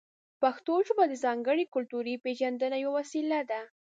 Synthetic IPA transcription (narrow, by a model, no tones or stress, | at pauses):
paxt̪oʒəbad̪əzɑŋɡəɽikʊlt̪uɾipeʒand̪ənajwawasilad̪a